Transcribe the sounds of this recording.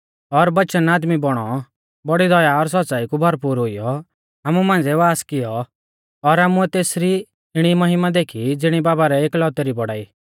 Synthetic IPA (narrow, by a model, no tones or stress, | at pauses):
ɔɾbɐtːʃənaːd̪mibɔɽ̃ɔ | bɔɽid̪ɔjaɔɾsɔsaːikubʱɐɾpuːɾɦʊijɔ | aːmumãːnd͡zɛʋaːskɪjɔ | ɔɾaːmuɛt̪eːsɾi | ɪɽ̃imɐɦɪmad̪eːkʰid͡zɪɽ̃ibaːbaɾɛeːklɔːt̪ɛɾibɔɽaːiː